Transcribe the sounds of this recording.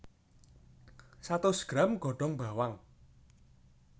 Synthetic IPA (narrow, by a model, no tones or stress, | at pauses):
sat̪ʊsɡ̥ɾamɡ̥ɔ̤ɖ̥ɔŋba̤waŋ